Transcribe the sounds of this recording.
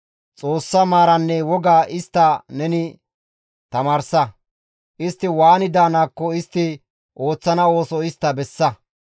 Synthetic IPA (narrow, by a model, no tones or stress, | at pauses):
t͡sʼo̞ːsːɐmaːɾɐnːɛwɔɡaːʔɪst̪ːɐnɛnɪ | t̪ɐmaːɾsɐ | ʔɪst̪ːɪwaːnɪd̪aːnaːkːɔɪst̪ːɪ | ʔo̞ːt͡sːɐnɐo̞ːsɔɪst̪ːɐbɛsːɐ